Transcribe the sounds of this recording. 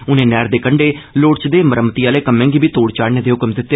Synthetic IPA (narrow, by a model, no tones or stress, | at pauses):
ʊnẽːnɛːɾd̪eːkəɳɖeːloːɽt͡ʃd̪eːməɾəmt̪iːaːleːkəmẽːɡiːbʱiːt̪oːɽt͡ʃaːɽneːd̪eːɦʊkəmd̪ɪt̪ːe